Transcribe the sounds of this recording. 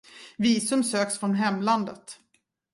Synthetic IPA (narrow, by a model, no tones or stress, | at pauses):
viːsɵmsøːksfɾɔnɦɛmland̪ət̪